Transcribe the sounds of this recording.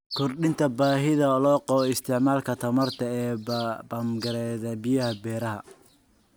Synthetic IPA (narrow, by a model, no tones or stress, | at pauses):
kʰɔrɗɪnt̪ʰɐbaːɦɪðɐlɔːqɔɪst̪ʰɪʕmaːlkʰɐt̪ʰɐmɐrt̪ʰɐɛːbɐːmɡɐɾɛðɐbɪjɐhɐbɛːɾɐɦɐ̰